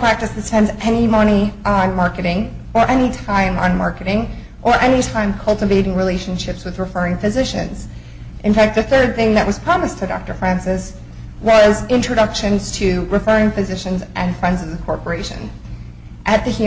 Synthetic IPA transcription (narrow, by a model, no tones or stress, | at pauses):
pʰɹ̥æk̚tɨsðɨspɛ̃ndzɛnimʌñiʔə̃nmɑɹkɨɾɪ̃ŋ | ə˞ʔɛnitʰãɪ̃mə̰̃nmɑ̰ɹkɨɾɪ̃ŋ | ʔə˞ʔɛnitʰãɪ̃mkʰʌlˠtɨveɪɾɪ̃ŋɹileɪʃɨ̃n̩ʃɪpswɨðɹɨfɜ˞ɪ̃ŋfɨzɪʃɨ̰̃nz̥ | ʔɨ̃nfæk̪̚ðɨθɜ˞d̪̚θɪ̃ŋðɨʔ̚wʌz̥pʰɹ̥ɑmɨstʰɨdɑ̰k̚tə˞fɹæ̃nsɨs | wʌzɪ̃nt͡ʃɹ̥ɨɾʌkʃɨ̃nz̥tʰɨɹɨfɜ˞ɪ̃ŋfɨzɪʃɨ̃nzʔɨ̃nfɹɛ̃ndzʌvɨ̃kʰɔɹpə˞eɪʃɨ̰̃n | ʔɨt̪̚ðɨhʉ